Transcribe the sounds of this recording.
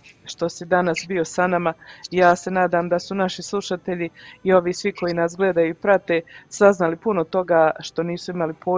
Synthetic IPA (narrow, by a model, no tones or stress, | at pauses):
ʃt̪o̞sid̪anasbio̞sanamajaːse̞naːd̪amd̪asunaʃislˠuʃat̪e̞ʎiːo̞ʋiːsʋiko̞jinasɡle̞ːd̪ajuipɾat̪e̞ːsaznalipunot̪o̞ɡaʃt̪o̞niːsuimalipʰoː